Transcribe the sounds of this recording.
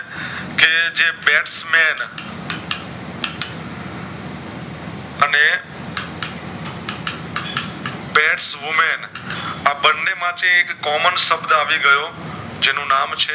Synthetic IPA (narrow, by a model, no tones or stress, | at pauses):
ked͡ʒebɛʈsmen | əne | beʈsʋumen | abənːemãt͡ʃẽekːɔmənsəbd̪aʋiɡəjo | d͡ʒenũnamt͡ʃʰe